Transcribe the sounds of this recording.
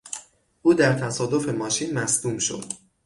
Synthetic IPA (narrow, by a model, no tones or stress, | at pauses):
ʔuːd̪æɾt̪ʰæsɒːd̪o̞fe̞mɒːʃiːnmæsd̪uːmʃo̞̰d̪̥